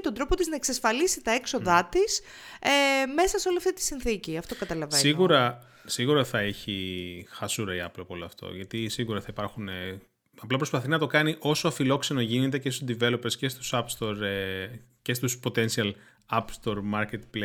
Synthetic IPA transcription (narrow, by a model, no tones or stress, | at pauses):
t̪o̞nd̪ɾo̞pot̪iznɐeksɐsfɐlisit̪ɐekso̞ðɐt̪is | eme̞sɐseo̞liɐft̪it̪i̥sinθiciɐft̪o̞kɐt̪ɐlɐvesiɣuɾɐ | siɣuɾɐθɐeçixɐsuɾɐiɐplopo̞loɐft̪o̞̰ʝɐt̪isiɣuɾɐθɐipɐɾxune | ɐplɐpɾo̞spɐθinɐt̪o̞kɐniʔo̞soɐfilo̞kse̞noʝinet̪e̞cest̪sd̪ive̞lo̞peɾsce̞st̪u̥sɐpst̪o̞ɾe | cest̪uspo̞t̪e̞nsiɐl | ɐpst̪o̞ɾmɐɾcet̪ple